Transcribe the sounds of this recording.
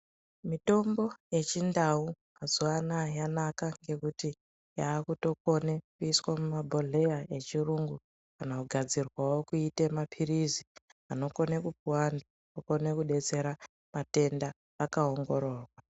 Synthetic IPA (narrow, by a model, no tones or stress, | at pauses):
mito̞mbo̞je̞t͡ʃindaumazuanajanakaŋɡe̞kuti | jaːkuto̞ko̞nekuiswamumabʱo̞ɮe̞jae̞t͡ʃiruŋɡu | kanakuɡʱad͡zirwawo̞kuitemapʰiriziano̞ko̞ne̞kupuwandu | uko̞ne̞kuɗe̞t͡se̞ɾa | mate̞ndaː | kao̞ŋɡo̞ɾo̞ːrwa